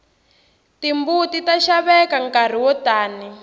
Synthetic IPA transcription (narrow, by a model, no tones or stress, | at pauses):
timbutitaʃaβɛkaŋkar̤iwɔtaːni